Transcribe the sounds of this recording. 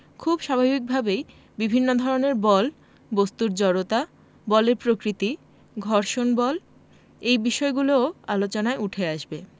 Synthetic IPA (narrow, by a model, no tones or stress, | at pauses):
kʰubʃabʱabik̚bʱabej | bibʱinːod̪ʱɔɾoneɾbɔl | bost̪uɾd͡ʑɔɾot̪a | bɔleɾpɾokɾit̪i | ɡʱɔɾʃonbɔl | ejbiʃɔeɡulooalot͡ɕonaeuʈʰeaʃbe